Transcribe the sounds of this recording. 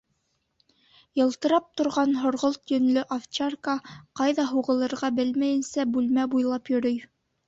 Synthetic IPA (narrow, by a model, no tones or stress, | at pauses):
jɤ̆lˠt̪ɤ̆ɾɑp̚t̪ŏɾʁɑnɦŏɾʁolˠt̪jɵ̆nlɵʔaft͡ɕarkɑqɑjðɑɦuʁɤ̆lˠɤ̆ɾʁɑbɘlmæjɘ̆nsæbʉlmæbujlˠɑpjɵ̆ɾɵj